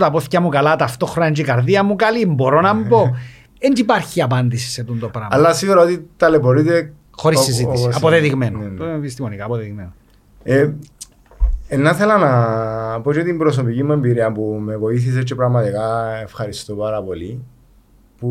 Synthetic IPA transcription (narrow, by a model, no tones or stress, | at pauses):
t̪ɐpoθcɐmukɐlɐt̪ɐft̪o̞xɾonɐend͡ʒikɐɾðiɐmukɐlimbo̞ɾo̞nɐmbo | end͡ʒipɐɾçiɐpɐnd̪isi̥set̪unt̪opɾɐɐlːɐsiɣuɾɐot̪it̪ɐleboɾit̪e | xo̞ɾissːizit̪isiɐpoðeðiɣmenopist̪imonikaːpoðeðiɣmeno | e | enːɐθelɐnɐpo̞t͡ʃet̪imbɾos̬opicimːue̞mbiɾiɐmpumevo̞iθis̬et͡ʃːepɾɐɣmɐt̪ikɐefxɐɾist̪opaɾɐpo̞li | pu